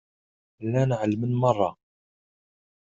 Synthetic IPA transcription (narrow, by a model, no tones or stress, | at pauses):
lːænʕəlːmənmɑrˤːɑ